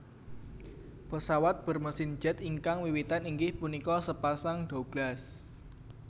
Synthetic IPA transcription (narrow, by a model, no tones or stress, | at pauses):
pəsawat̪̚b̥ə̤rməsin̥d͡ʒ̥ɛ̤t̪iŋkaŋwiwit̪aniŋɡɪhpunikɔsəpasaŋd̪̥a̤b̥las